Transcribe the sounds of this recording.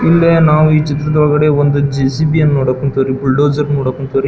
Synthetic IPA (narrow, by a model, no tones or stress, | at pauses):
ilːeːnaːʋuiːt͡ʃit̪ːɾɐd̪ʋɐɡɐɽeːond̪ud͡ʒisiːbijɐnːuːɽɐkuɳt̪oːɾipuɭɖoːd͡ʒɐɾnuːɽɐkuɳt̪oːɾi